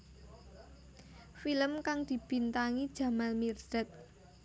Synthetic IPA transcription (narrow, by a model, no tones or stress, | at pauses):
filəmkaŋd̪̥i̤b̥i̤nt̪aŋid̥ʒ̥a̤malmird̥ət̪̚